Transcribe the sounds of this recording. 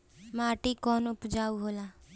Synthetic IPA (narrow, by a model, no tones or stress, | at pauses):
maːʈikɔːnʊpd͡ʒaːuɦoːlaː